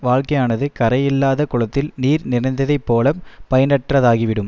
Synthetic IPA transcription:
ʋaːɭkɐjaːnɐðɯkɐɾɐjɪlːaːðɐkʊɻɐt̪ːɪlniːɾnɪrɐnd̪ɐðɐɪpːoːlɐmpɐjɐnɐʈrɐðaːɣiʋɪɽɯm

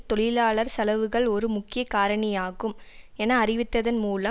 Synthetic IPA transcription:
t̪ɔɭɪlaːɭɐɾsɐlɐʋɯɣɐɭɔɾɯmʊkːɪjɐkaːɾɐɳɐjaːɣɯmɛnɐːɾɪʋɪt̪ːɐðɐnmuːlɐ

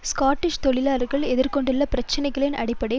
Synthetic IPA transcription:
skaːʈːɪʃt̪ɔɭɪlaːɾɣɐɭɛðɪɾkɔɳɖɯlːɐpɪɾɐt͡ʃːɐnɐɪɣɐɭɪnʔɐ̰ɽɪpːɐɽɐ

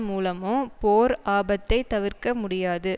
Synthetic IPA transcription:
muːlɐmopoːɾaːbɐt̪ːɐɪt̪ɐʋɪrkɐmʊɽɪjaːðɯ

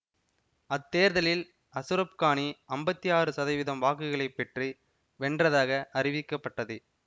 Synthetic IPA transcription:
ɐt̪ːeːɾðɐlɪl | ɐsɯɾɐp̚kaːɳiɐmbɐt̪ːijaːɾɯsɐðɐɪʋɪðɐmʋaːk̬ɯɣɐɭɐɪpːɛʈri | ʋɛɳdrɐðaːɣɐʔɐrɪʋɪkːɐpːɐʈːɐðɯ

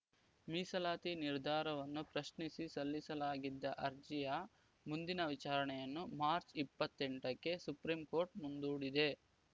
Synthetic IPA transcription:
miːsɐlaːt̪iniɾd̪ʱaːɾɐʋɐnːupɾɐʃnisisɐlːisɐlaːɡid̪ːɐʔɐɾd͡ʒijɐ | mund̪inɐʋit͡ʃaːɾɐɳɛjɐnːumaːɾt͡ʃipːɐt̪ːeɳʈɐkːe̞supɾimko̞ːɾʈ̚mund̪uːɽid̪e̞

